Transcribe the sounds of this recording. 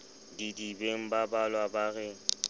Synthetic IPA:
didibeŋ̩babalwabaɣɛ

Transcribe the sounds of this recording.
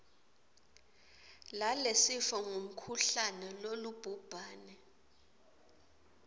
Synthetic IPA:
lalesifɔŋʱum̩kʰuɬanɛlolub̥ʱub̥ʱaːnɛ

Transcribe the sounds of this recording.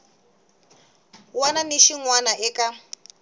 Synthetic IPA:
wananiʃiŋwanaʔɛka

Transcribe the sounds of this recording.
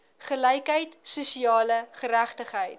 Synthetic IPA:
χəlɛjkɦəjtsusiɑːləχəɾæχtəχɦəjt̚

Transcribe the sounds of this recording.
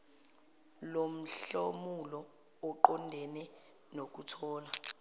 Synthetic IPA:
lom̩ɬomulɔː | ǃɔndʱɛnɛ | nok̬utʰɔːla

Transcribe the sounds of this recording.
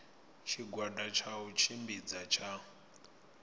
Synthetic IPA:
t͡ʃʰiɡwadat͡ʃʰaut͡ʃʰimbid͡zat͡ʃʰa

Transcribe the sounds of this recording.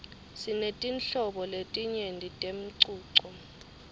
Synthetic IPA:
sinetʼinɬɔɓɔletʼiɲendʱitʼem̩ǀuːǀɔ

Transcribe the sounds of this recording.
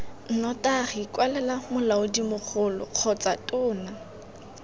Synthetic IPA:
n̩nɔtaχikwalɛlamʊlaʊdimʊk͡xʰʊlɔ̰q͡χʰɔt͡satʼʊːna

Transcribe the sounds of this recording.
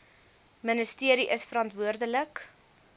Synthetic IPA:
mənəstiəɾiʔəsfəɾɐntvuərdələk

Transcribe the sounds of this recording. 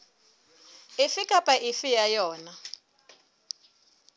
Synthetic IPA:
ifikʼapʼaʔifijajɔːna

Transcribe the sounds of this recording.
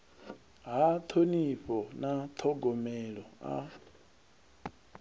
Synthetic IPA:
ɦat̪ʰoniɸɔnat̪ʰɔɡɔmɛɺɔa̰

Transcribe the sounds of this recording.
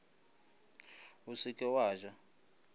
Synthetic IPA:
usikʼɛwaːʒa

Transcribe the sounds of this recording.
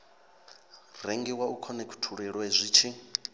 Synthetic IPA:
rɛŋɡɛwaukʰɔnɛkʰu̥tʰuɺɛɺwɛzʷiːt͡ʃʰi

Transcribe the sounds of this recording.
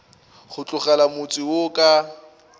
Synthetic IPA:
χʊt͡ɬʼʊχalamʊt͡sʼiwʊkʼa

